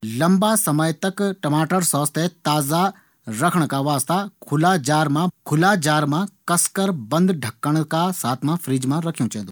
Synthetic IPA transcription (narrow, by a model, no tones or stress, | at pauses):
lɐmbasɐməjt̪ɐkʈɐmaːʈəɾsɔːst̪ʰet̪aːza | ɾɐkʰəɽ̃kaʋaːst̪akʰʊlad͡ʒaːɾmãkʰʊlaːd͡ʒaːɾmãkɐskəɾbɐ̃nd̪ɖʱɐkːəɽ̃kasaːt̪ʰmãfɾiːd͡ʒmãɾɐkʰijũːt͡ʃɐ̃ɦnd̪u